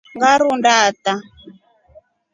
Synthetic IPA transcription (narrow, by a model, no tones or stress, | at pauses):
ŋɡaɾundaːt̪a